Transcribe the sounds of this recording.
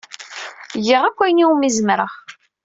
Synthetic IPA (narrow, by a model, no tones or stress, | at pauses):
jiʁækʷːæjniumizəmɾəʁ